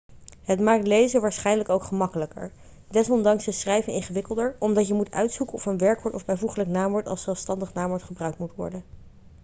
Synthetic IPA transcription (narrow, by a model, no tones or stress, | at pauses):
ɦətmaːk̚tlejzəʋaːɹsχɛjnləkowkχəmɑkələkə̰ɹ | dɛsɔndɑŋsəsrɛjvənɪnχəʋɪkəlˠdəɹɔmdɑtjəmutœ̰ɥtsukənɔfənʋɛɹkʋɔɹtɔvbɛjvuχələknaːmʋɔɹtɑ̰lˠsɛlˠfstɑndəχnaːmʋɔɹtχəbrœɥk̚tmutʋɔ̰ɹdən